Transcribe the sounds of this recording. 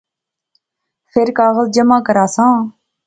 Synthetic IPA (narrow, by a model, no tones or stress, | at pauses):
fʰɪɾkaːɣəld͡ʒəmaːkəɾaːsãː